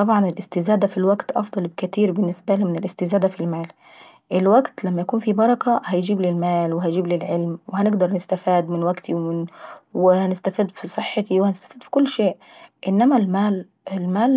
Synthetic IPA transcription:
t̪ˤɑbʕɑnɪlʔɪst̪ɪzæːd̪æfilwæɡt̪ʔɑ̰fd̪ˤɑlbkt̪iːɾbɪnːɪsbælimɪnɪlʔɪst̪ɪzæːd̪æfilmæːl | ʔɪlwæɡt̪læmːæjækuːnfibɑɾˤɑkæhæjd͡ʒiːblɪlmæːlwɪɦæjd͡ʒiːblɪlʕɪlmwɪhænɪɡd̪ɑɾˤnɪst̪æfiːd̪mɪnwæɡt̪iwmɪnwɪhænɪst̪æfiːd̪fisˤɨħːɑt̪iwhænɪst̪æ̥fiːd̪fi̥kʊlːʃeːʔ | ʔɪnːæmælmæːl | ɪlmæːl

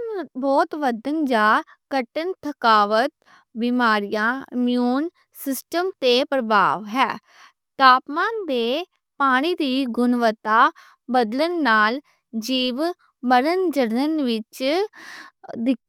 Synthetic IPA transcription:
bɔːt̪ʋəd̪ənd͡ʒaː | kəʈənt̪ʰəkaːʋət̪̚ | bimaːɾijãːɪmjuːn | sɪsʈəmt̪eːpɾəbʱa̰ːʋɦɛː | t̪aːpmaːnd̪eː | paːɽ̃iːd̪iːɡʊnʋət̪aː | bəd̪lənːaːl | d͡ʒiːʋ | məɾənd͡ʒəɾnənʋɪt͡ʃ | d̪ɪ

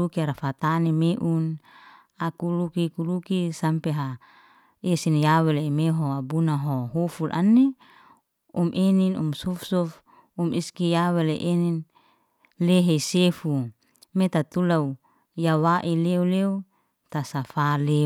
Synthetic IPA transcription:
ukiaɾafat̪anemeʔun | akulukikulukisampeɦa | esinjawelemeɦoabunaɦoɦufulʔa̰nːe | umʔeninṵmsufsuf | umiskijaweleʔenin | leɦeisefu | met̪at̪ulau | jawaʔileuleu | t̪asafale

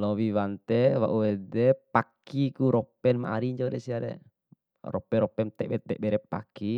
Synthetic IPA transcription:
lɔwiwant̪ɛwa̰ʔuwɛdɛpakikuɾɔpɛnma̰ʔa̰ɾiɲd͡ʒodɛsiaɾɛ̰ | rɔ̰pɛɾɔpɛnt̪ɛbɛt̪ɛʔbɛɾɛpa̰ki

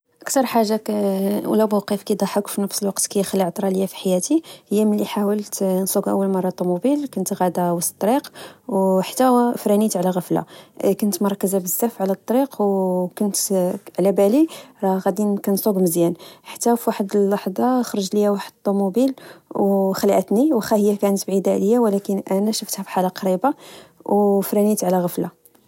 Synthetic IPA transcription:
ʔəkt̪ɑɾˤħaʒːawlæbuwqəfkid̪ˤɑħəkfinəfsəlwɑqt̪kæjəxəlːiʕt̪ˤɾˤɑləjːafi̥ħajæt̪ihjːæməlːiħawəlt̪nsˤuɡʔə̰wːəlmɑrˤːɑt̪ˤːumubilkʊnt̪ɣæd̪awæst̪ːt̪ˤːɾiqwħat̪ːæfɾænit̪ʕlæɣəfla̰kʊnt̪mɑɾˤkːəzabəzːæfʕlæt̪ˤːɑɾiqwkʊnt̪ʕlæbæliɾˤɑɣæd̪inkænsˤuɡməzjænħḁt̪ːæfiwaħəd̪əlːɑħd̪ˤɑxɾˤəʒləjæwaħəd̪t̪ˤːumubilwxəlʔət̪niwxæhəjːækænət̪bʕid̪æləjːawlækənʔænæʃəft̪hæfħalaqɑɾibawfɾænit̪ʕlæɣəfla

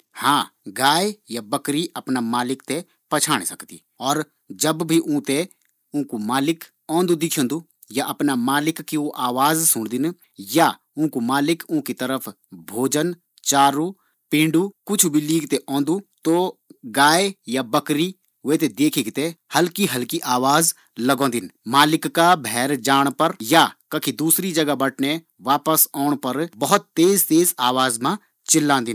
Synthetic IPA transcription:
hãːɡaːejabɐkɾiʔɐpnamaːlɪkt̪e | pɐt͡ʃʰaːɽ̃esɐkt̪ḭː | ɔːɾ | d͡ʒɐbbʱiʔũːt̪e | ʊ̃kumaːlɪk | ɔ̃ːnd̪ud̪ɪkʰõːnd̪u | jaʔɐpnamaːlɪkːioʔaːʋaːzsʊɽ̃d̪ɪn | ja | ũːkumaːlɪkũːkit̪əɾəfʰ | bʱoːd͡ʒən | t͡ʃaːɾu | pɪ̃ːɳɖukʊt͡ʃʰbʱiliːkt̪eʔɔ̃ːnd̪ut̪oɡaːejabɐkɾi | ʋeːt̪̬ed̪eːkʰɪkt̪ehɐlkiɦɐlkiʔaːʋaːz | lɐɡɔ̃ːd̪ɪnmaːlɪkːabʱɛːɾd͡ʒaːɽ̃pɐɾjakɐkʰid̪uːsɾid͡ʒɐɡabɐʈʰne | ʋaːpəsɔːɽ̃pɐɾbɐɦʊt̪ːeːzt̪eːzaːʋaːzmã | t͡ʃɪlːãːnd̪ɪn

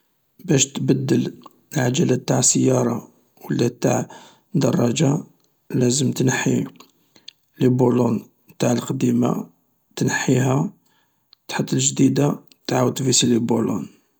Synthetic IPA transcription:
bæʃt̪bæd̪ːəl | lʕad͡ʒælæt̪aʕsəjːɑɾˤɑ | wəlːæt̪a̰ʕ | d̪ɑrˤːɑʒa | læzəmt̪nəħːḭ | libulun | t̪aʕəlqd̪ima̰ | t̪nəħiɦæ | t̪ħət̪ˤːəlʒd̪id̪a | t̪aʕwət̪visilibulṵn

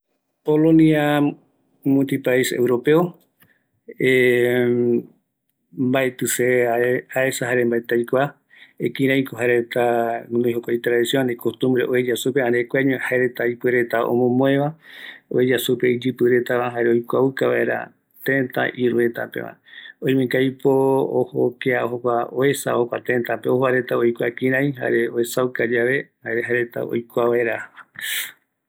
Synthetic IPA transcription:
polõnia | mũt̪ipaisḛwɾo̞pe̞o | e | mbaet̪ɨseaesaɦaɾembaet̪ajkʷa | ekĩɾ̃ãjkoɦaɾet̪anoijɦokʷajt̪ɾaðisiõnekost̪ũmbɾeʔoed͡ʒasupeãɾekʷaɲohaeɾet̪aipeɾe̞t̪ao̰mõmõẽβao̰ed͡ʒasupeid͡ʒɨpɨɾet̪aβaɦaɾeojkʷaukaβa̰e̞ɾa̰ | t̪ẽnt̪a̰ʔiɾuet̪apḛʋã̰ojmẽkajpooho̰keaoɦokʷaoesa̰hokʷa̰t̪ẽnt̪apeohoaɾet̪aojkʷakĩɾ̃ãj̃ɦa̰ɾeoesawkad͡ʒaʋe̞haeɾeɦaeɾet̪a̰o̰jkʷaβaeɾa

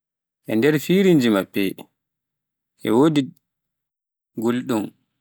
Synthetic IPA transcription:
ʔɛ̰ndɛɾfiːɾind͡ʒimabːɛ̰ | ʔɛ̰woːdi | ɡolɗum

